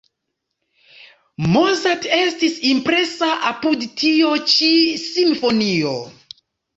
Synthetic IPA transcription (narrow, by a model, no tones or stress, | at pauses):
mozate̞stisimpɾe̞saʔapudtio̞t͡ʃisimfo̞nio̞